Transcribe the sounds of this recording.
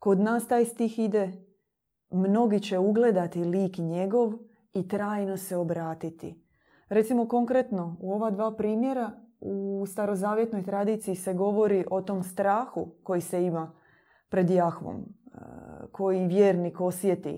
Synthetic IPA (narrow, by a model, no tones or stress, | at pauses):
ko̞d̪naːst̪aːjst̪ixid̪e | mno̞ɡit͡ɕe̞uɡle̞d̪at̪iliːkɲeɡo̞ʋ | it̪ɾaːjno̞se̞o̞bɾaːt̪it̪ḭ | ɾe̞t̪simo̞ko̞ŋkɾe̞t̪no̞uo̞ʋad̪ʋaːpɾiːmje̞ɾaust̪aɾo̞zaːʋje̞t̪no̞jt̪ɾad̪it̪sijise̞ɡo̞ʋo̞ɾiʔo̞t̪omst̪ɾaːxuko̞jise̞ima | pɾe̞d̪jaxʋo̰m | kʰo̞jiʋjeːɾniko̞sʋje̞t̪ḭ